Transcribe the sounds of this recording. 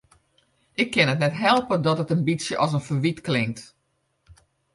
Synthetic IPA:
ʔɪkʰːɪnətnɛtɦɛlˠpədɔtətənbisjəʔɔs̬ənfəʋitklɪŋkt

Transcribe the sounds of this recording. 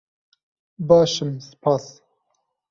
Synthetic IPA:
bɑːʃɨmsɨ̥pʰɑːs

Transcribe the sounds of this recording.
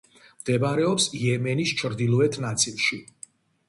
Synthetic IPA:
md̪̥ɛmaɾɛɔpsijɛmɛnist͡ʃʰɾd̪ilˠuɛt̪ʰnat̪sʼʰilˠʃi

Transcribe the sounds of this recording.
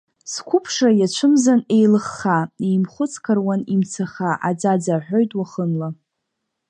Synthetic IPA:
skʷʰʊpʰʂajat͡ʃʷʰɨmzane̞jlɨχːaejmχʷʊt͡sʰʼkʰarwanimt͡sʰaχaʔa̰d͡zad͡zaħʷᶣojtʼwaχənla

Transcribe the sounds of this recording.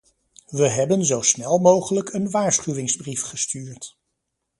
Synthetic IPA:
ʋəɦɛbənzowsnɛlˠmowχələkənʋaːɹsχyʋɪŋzbrifχəstyːɹt

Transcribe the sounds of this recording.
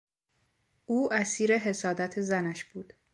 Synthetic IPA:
ʔuːæsiːɾe̞ɦe̞sɒːd̪æt̪ʰe̞zænæʃb̥uːd̪̥

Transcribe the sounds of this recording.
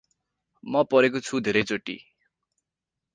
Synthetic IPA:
mʌpʌɾekot͡sʰud̪ʱeɾʌjt͡soʈːḭ

